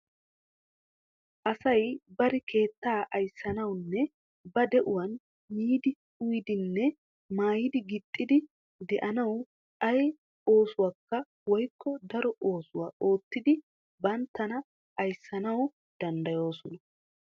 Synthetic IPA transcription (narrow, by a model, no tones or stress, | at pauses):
ʔɐsɐjbɐɾɪkʰe̞ːt̪ːaːʔɐjsːɐnɐwnːɛ | bɐd̪ɛʔʊwɐn | miːd̪ɪ | ʊjɪd̪ɪnːɛ | maːjɪd̪ɪɡɪt̪ʼːɪd̪ɪ | d̪ɛʔɐnɐw | ʔɐj | o̞ːsʊwakːɐ | wɔjkːɔd̪ɐɾɔʔo̞ːsʊwaːʔo̞ːt̪ːɪd̪ɪ | bɐnt̪ːɐnɐ | ʔɐjsːɐnɐw | d̪̥ɐnd̪ɐjo̞ːsɔnɐ